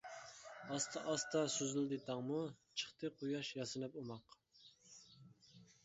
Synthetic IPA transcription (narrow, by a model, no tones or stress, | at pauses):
ɑst̪ʰɑʔɑst̪ɑsyzɪld̪ɪt̪ʰɑŋmut͡ʃʰə̥χt̪ɨqʰojɑʃjɑsɨnɨpumɑq